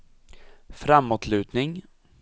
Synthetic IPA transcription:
fɾamːot̪ʰlʉ̟ːt̪nɪŋ

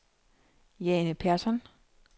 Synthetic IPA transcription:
jɛːnəpʰæɐsɒn

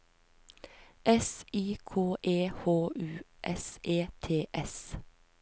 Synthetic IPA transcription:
ʔɛsiːkʰoːʔeːhoːʔʉːʔɛseːt̪ʰeːʔɛs

